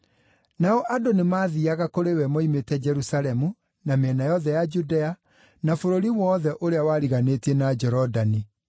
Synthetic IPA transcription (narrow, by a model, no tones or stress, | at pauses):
naɔʔadonemaːðiaɣakoɾewɛmɔimetɛd͡ʒɛɾusalɛmu | nameɛnajɔðɛjad͡ʒudɛa | nafoɾoɾiwɔːðɛʔoɾeawaɾiɣanetienad͡ʒɛɾɔdani